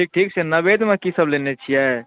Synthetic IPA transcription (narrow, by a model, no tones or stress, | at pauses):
ʈʰiːk̚ʈʰiːksenɐbeːd̪mẽkisəblenet͡ʃʰijɛ